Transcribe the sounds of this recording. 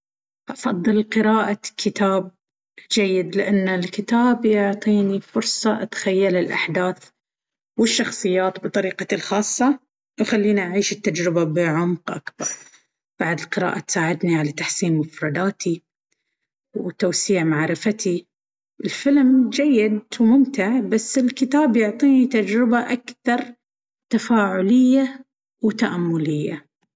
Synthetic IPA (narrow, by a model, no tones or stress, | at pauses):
ʔɑfɑðˤːɨlqɨɾaːʔakʰːɪt̪aːb̚ | d͡ʒajːɪd̪lɪʔanːalkɪt̪aːbjʊʕt̪ˤiːnifʊɾsˤɑʔat̪ḁxajːalɪlʔa̰ħd̪aːθ | wɪʃːɑxsˤɨjːaːt̪bɨt̪ˤɑɾiːqɑlxɑːsˤːɑ | wxalːiːniʔaʕiːʃɪt̪ːad͡ʒɾɪbabɪʕʊmqʔa̰kbɑɾˤ | b̥aʕd̪ɪlqɨɾa̰ːʔat̪saːʕɪd̪niʕalat̪aħsiːnmʊfɾˤɑd̪aːt̪i | wt̪aːsiːʕmaʕɾɪfat̪i | ɪlfɪlmd͡ʒajːɪd̪wmʊmt̪ɪʕbasːɪlkɪt̪aːbjʊʕt̪ˤiːnit̪ad͡ʒɾɪbaʔakθɑɾˤ | t̪afaːʕʊlɪjːa | wt̪aʔamːʊlɪjːa